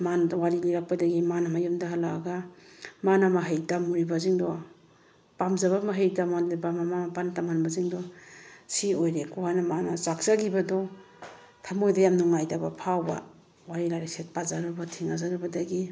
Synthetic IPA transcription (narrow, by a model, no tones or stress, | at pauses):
manwaɾiliɾak̚padaɡimanamajumdaɦalaɡamanamaɦajtamuɾibaziŋdɔ | pamzaβamaɦajtamanlibamamamapantamanbaziŋdɔsiojɾekuhanamanasak̚z̥aɡibadɔ | tʰamojdajamnuŋajdabapʰawba̰ | waɾilaɾekset̚pazaɾabatʰiŋazaɾabadaɡi